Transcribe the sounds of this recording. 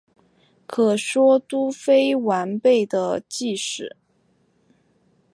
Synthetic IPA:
kʰɤ˨˩ʂwɔ˥t̪u˥fe˥ɪwa˧˥npe˥˩ɪd̪ə˩t͡ɕi˥˧ʂɻ̩˨˩˦

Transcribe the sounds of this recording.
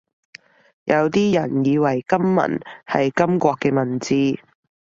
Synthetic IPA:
jʔɐ˨˧wt̪iː˥jɐ˨˩njiː˨˧wɐ˨˩jkɐ˥mːɐ̰˨˩nhɐ˨jkɐ˥mkʷɔː˧kːɛː˧mɐ˨˩nt͡siː˧

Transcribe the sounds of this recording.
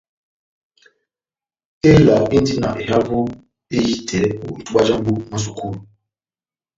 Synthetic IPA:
e˦la˨i˦n̩˦di˦na̰˨ʔe˨ɦa˦vʊ˦ | e˦ji˦tʰe˨ɾe˦ṵ˨i˨tu˦a˦d͡ʒa˦m̩˦bu˦ma˦s̬u˨ku˦ɾu˨

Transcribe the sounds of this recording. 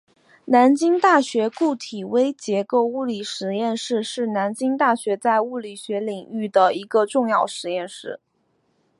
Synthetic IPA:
na˧˥nt͡ɕi˥ŋt̪a˥˩ɕɥɛ˧˥ku˥˩t̪ʰi˨˩we˥ɪt͡ɕjɛ˧˥ko˥˧ʊu˥˩li˨˩ʂɻ̩˧˥jɛ˥˧nʂɻ̩˥˧ʂɻ̩˥˩na˧˥nt͡ɕi˥ŋt̪a˥˩ɕɥɛ˧˥t͡sa˥˧ɪu˥˩li˨˩ɕɥɛ˧˥li˨˩ŋy˥˩d̪ə˩i˧˥ɡə˧ʈ͡ʂʊ˥˧ŋjɑ˥˩ʊʂɻ̩˨˧˦jɛ˥˧nʂɻ̩˥˩

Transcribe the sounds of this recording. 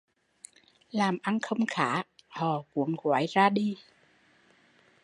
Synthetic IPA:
laː˨˩mʔa˧nxə˧wŋ͡mxaː˧˩˦hɔ̰˨˩ku˨˦əŋɣwaː˨˦jzaː˧ɗi˧

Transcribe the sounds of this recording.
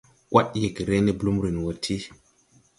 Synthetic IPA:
kwʔa˦ɗje˨kɾe˦ne˦blu˦mɾi˨n˨wo˨tʰi˦

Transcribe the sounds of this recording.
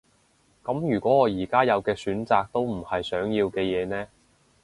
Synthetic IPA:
kɐ˨˥mjyː˨˩kʷɔː˨˥ɔː˨˧jiː˨˩kaː˥jɐ˨˧wkɛː˧syː˨˥nt͡saː˨˧k̚t̪o˥wm̩˨˩hɐ˨jsœː˨˥ŋjiː˧wkɛː˧jɛː˨˧nɛː˥

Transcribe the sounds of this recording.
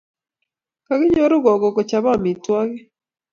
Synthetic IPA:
ka˨ɣe˦ɲo˦ɾo˦ɣɔ˨ɡɔ˨ko˨t͡ʃa˨βa˦˨mi˨twa˦ɣɛ˦

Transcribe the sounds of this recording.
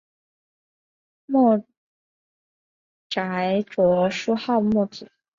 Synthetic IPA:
mɔ˥˩ | ʈ͡ʂa˨˧˥ɪʈ͡ʂwɔ˧˥ʂu˥xɑ˥˧ʊmɔ˥˩t͡sɹ̩˨˩˦

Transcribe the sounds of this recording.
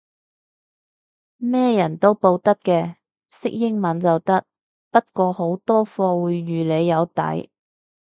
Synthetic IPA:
mɛː˥jɐ˨˩nt̪o˥wpo˧wt̪ɐ˥t̚kɛː˧ | sɪ˥k̚jɪ˥ŋmɐ˨˥nt͡sɐ˨wt̪ɐ˥t̚ | pɐ˥t̚kʷɔː˧ho˨˥wt̪ɔː˥fɔː˧wuː˨˧jːyː˨le˨˧jːɐ˨˧wt̪ɐ̰˨˥j

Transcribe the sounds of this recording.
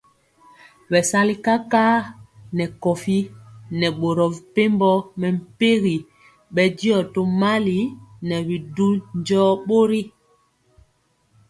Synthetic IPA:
ɓɛ˨sa˦li˦ka˦kaː˦nɛ˨kɔ˨fi˦nɛ˨ɓo˨ɾɔ˨vi˨pe˦mbɔ˦mɛ˨m̩˨pe˦ɣi˨ | ɓɛ˦di˦ɔ˨to˦ma˦li˨nɛ˨βi˨du˦nd͡ʒɔː˦ɓo˦ɾi˦

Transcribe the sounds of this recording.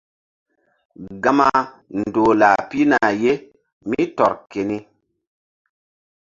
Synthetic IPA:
ɡa˦ma˦ | n˨doː˨la˨pi˦na˨je˦ | mi˦tɔ˨ɾke˨ni˦

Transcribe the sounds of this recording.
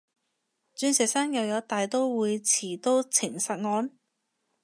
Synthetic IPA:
t͡ʃyː˨˧nsɛː˨˩saː˥ŋjɐ˨˧wjɐ˨˧˥wt̪aː˨jt̪o˥wwuː˨˧jt͡sʰiː˨˩t̪o˥wt͡sʰɪ˨˩ŋsɐ˨t̚ŋɔː˨˧n

